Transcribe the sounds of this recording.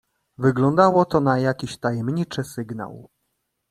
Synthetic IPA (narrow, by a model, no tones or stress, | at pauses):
vɘɡlɔnd̪awɔt̪ɔnajakʲiɕt̪ajɛmɲit͡ʂɘsɘɡna̰w